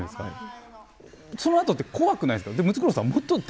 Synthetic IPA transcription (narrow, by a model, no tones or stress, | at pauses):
d̪eska̰ | so̞noat̪o̞t̪ːeko̞βakɯnaĩd̪skd̪emɯ̟t͡sɨ̥kɯɾosaβmot̪ːod̪